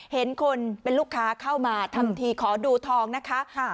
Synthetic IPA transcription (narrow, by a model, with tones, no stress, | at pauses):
he˩˦nkʰo˧npe˧nluː˥˩kʰːaː˦˥kʰa˥˩wmaː˧t̪ʰa˧mt̪ʰiː˧kʰɔː˩˦duː˧t̪ʰɔː˧ŋna˦˥kʰa˦˥